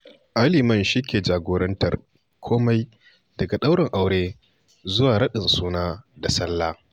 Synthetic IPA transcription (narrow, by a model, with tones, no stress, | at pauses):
ʔa˦liː˨mɐ˦˨nʃi˦kʲeː˨d͡ʒaː˨ɡʷoː˦ɾɐ˦ntɐ̰˨r | kʷʰoː˦ma˦j | dɐ˨ɡa˨ɗa˦wɽɪ˨ŋʔa˨wɽeː˦ | zʊ˦waː˨ɽɐ˦ɗɪ˨nsuː˦naː˦da˨sɐ˦lːaː˦